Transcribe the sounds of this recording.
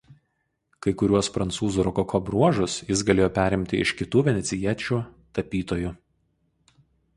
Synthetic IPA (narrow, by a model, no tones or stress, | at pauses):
kɐɪkʊɾʲuɔspɾɐnt̪suːzuːɾɔkɔkʰɔbɾuɔʒʊsjɪs̬ɡɐlʲeːjoːpʲæːɾʲɪmʲt̪ʲɪɪʃkʲɪt̪uːʋʲɛnʲɛt̪sʲɪiɛt͡ʃʲuːt̪ɐpʲiːt̪oːju